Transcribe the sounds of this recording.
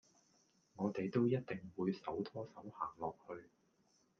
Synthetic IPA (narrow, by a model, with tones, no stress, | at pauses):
ŋɔː˨˧t̪e˨jt̪o˥wjɐ˥t̚t̪ɪ˨ŋwuː˨˧jsɐ˨˥wt̪ʰɔː˥sɐ˨˥whaː˨˩ŋlɔː˨k̚hɵ˧ɥ